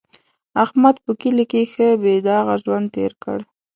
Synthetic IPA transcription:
ahmad̪pəkilikexəbed̪aɣaʒwand̪̚t̪ḛɾkə̰ɽ

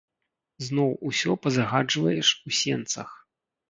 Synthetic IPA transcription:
znɔwusʲɔpɐzaɣad͡ʐvɐjɛʂusʲɛnt̪sɐ̰x

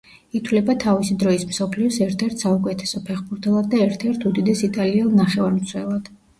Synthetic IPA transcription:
it̪ʰwlɛbat̪ʰavisid̪ɾɔismsɔpʰliɔsɛɾt̪ʰɛɾt̪ʰsaukʼɛt̪ʰɛ̥sɔpʰɛχbuɾt̪ʰɛlˠad̪̚ːaɛɾt̪ʰɛɾt̪ʰud̪id̪ɛsit̪ʼaliɛlˠnaχɛvaɾmt̪sʰwɛlˠad̪̥

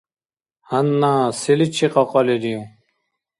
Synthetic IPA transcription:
hɐnːasilit͡ɕʰiqɑqɔlidijũ

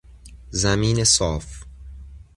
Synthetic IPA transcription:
zæmiːnesɒːf

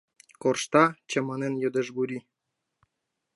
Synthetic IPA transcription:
korʃt̪ɑt͡ɕɤ̆mɑnenjŏd̪ə̆ʒbuɾʲi

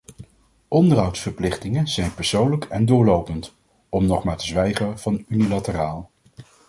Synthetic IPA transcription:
ʔɔndərɦɑwtsfəɹplɪχtɪŋənz̥ɛjnpəɹsownləkɛndʊːɹlowpənt | ɔmnɔχmaːɹtəzʋɛjχəv̥ɑnynilatəraːlˠ

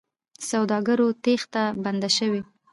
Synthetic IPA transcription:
sawd̪ɑɡaɾot̪ext̪aband̪aʃəwi

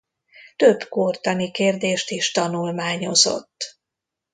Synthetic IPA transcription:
t̪øbkoːrt̪ɒnikeːrd̪eːʃt̪iʃt̪ɒnulmaːɲo̞zo̰t̪ː

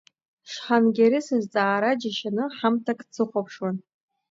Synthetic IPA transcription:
ʂħanɡʲaɾisɨzt͡sʼaːɾad͡ʒaʃanɨħamtʰakʼt͡sʰɨχʷapʰʂwan

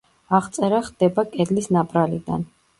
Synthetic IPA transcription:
aʁt̪sʼɛɾaχd̪̥ɛbakʼɛd̪lisnapʼɾalid̪a̰n

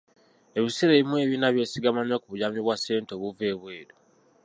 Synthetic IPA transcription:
eβisiɾeβimwe̞ːβinaβjesiɡamanakuβuɟamiβwase̞ːntoβuveːβwe̞ːɾo

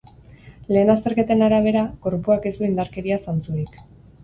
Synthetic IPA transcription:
le̞ːnast̪e̞ɾke̞t̪e̞naɾaβ̞e̞ɾako̞ɾpuake̞zd̪uind̪aɾke̞ɾiasant͡suɾik

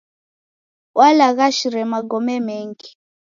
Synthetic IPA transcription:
wʔalaɣaʃiɾɛmaɡɔmɛmɛŋɡi

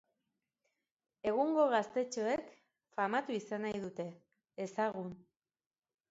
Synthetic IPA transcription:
e̞ɣuŋɡo̞ɣ̞ast̪e̞t͡ʃo̞e̞k | famat̪uisanajðut̪e̞ː | saɣun

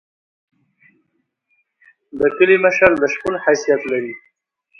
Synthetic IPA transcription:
d̪əkəliməʃald̪əʃkʊlhajsijat̪laɾi

